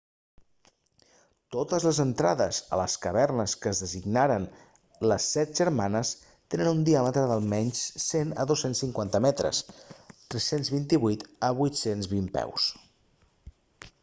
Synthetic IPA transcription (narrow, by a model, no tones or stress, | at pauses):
t̪ot̪əzləzənt̪ɾaðəzə̰ləskəβɛrnəskəːzðəziɡnaɾən | ləsɛt̪̚ʒəɾmanəs | t̪enənund̪iamət̪ɾəðəlˠmɛɲssenə̰ðosensiŋkwant̪əmɛt̪ɾə̰st̪ɾɛsenzβint̪iβujt̪əβujt̪senzβimpɛ̰ws